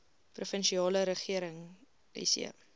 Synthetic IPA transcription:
prufənʃiɑːləɾəχiəɾəŋ | ḭsḭə̰

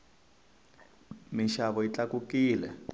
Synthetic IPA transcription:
miʃaβɔit͡ɬakukiːlɛ̰

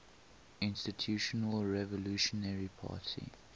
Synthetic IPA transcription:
ɪ̃nstitʰjuʃɔnəlɹɛvɔluʃɔnɛɹipʰa̰ːtʰḭ

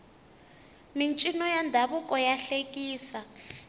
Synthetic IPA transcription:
mint͡ʃʼinɔjandʱaβukʼɔjaɬekʼiːsa

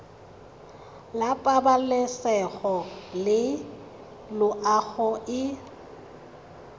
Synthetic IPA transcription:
lapʼabalɛsɛɣɔlɪ | lʊʔaɣɔɪ

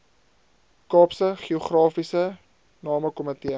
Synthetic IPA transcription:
kɑːpsəχiuχrɑːfisə | nɑːməkɔmətiə

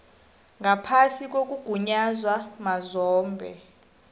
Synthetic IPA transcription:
ŋapʰasik̬ok̬ʼuɡ̥ʱuɲazwamazɔːmbʱɛ̰

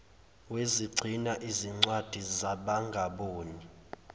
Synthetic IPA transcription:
weziɡ͡ǀʱinaʔiziŋ͡ǀwad̥ʱizaɓaŋɡʱaɓoːni

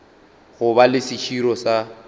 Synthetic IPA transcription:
ɣʊbalɪsɪt͡ʃʰiɾɔsa

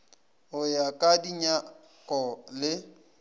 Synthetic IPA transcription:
ʊjakʼadiɲa | kʼɔlɪ

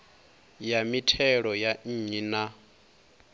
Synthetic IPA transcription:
jamitʰɛɺɔjan̩ɲina

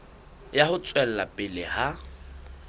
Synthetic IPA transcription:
jahʊt͡sʼwɛl̩lapʼɪlɪha

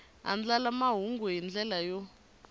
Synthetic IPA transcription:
a̰nd͡ɮalamaɦuŋɡuɦind͡ɮɛlajɔ

